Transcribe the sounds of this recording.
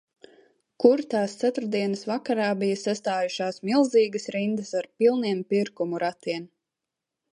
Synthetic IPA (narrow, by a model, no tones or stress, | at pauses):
kuɾt̪aːst̪sat̪uɾd̪iɛnəsvakaɾaːbijəsast̪aːjuʃaːsmilˠziːɡəsɾind̪əsaɾpilˠniɛmpiɾkumuɾat̪iɛm